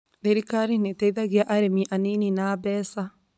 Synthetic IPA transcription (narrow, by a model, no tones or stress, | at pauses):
ðeɾikaɾinetɛiðaɣjaʔaɾemiʔanininabɛːsa